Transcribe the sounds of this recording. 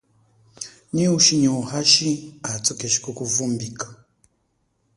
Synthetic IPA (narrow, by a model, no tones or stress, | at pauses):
ɲiuʃiɲiuhaʃiat͡sokeʃi̥kokuvumbikḁ